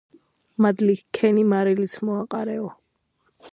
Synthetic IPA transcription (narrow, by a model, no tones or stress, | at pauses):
mad̪likʰɛnimaɾɛlit̪sʰmɔaqʼaɾɛɔ